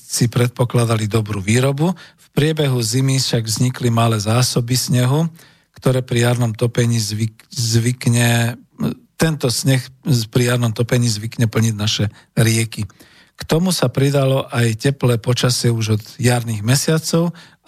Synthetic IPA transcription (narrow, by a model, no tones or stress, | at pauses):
sipɾɛt̪̚pɔklad̪alid̪ɔbɾuʋiːɾɔbufpɾɪɛbɛɦuzimifʃaɡvzɲiklimalɛːzaːsɔbisɲɛɦu | kt̪ɔɾɛːpɾijaɾnɔmt̪ɔpɛɲiːzʋi | zʋikɲɛ | t̪ɛnt̪ɔsɲɛxpɾijaɾnɔmt̪ɔpɛɲiːzʋikɲɛpl̩ɲiɟnaʃɛ | ɾɪɛki | kt̪ɔmusapɾid̪alɔʔajcɛplɛːpɔt͡ʃasɪɛuʒɔd̪jaɾniɣmɛsɪat͡sɔʊ